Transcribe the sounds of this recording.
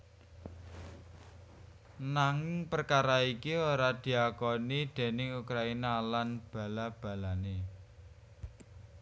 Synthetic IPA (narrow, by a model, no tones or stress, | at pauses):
naŋɪŋpərkaɾaikioɾad̪̥i̤akɔnid̪̥e̤nɪŋukɾainalanb̥ä̤lab̥ä̤lane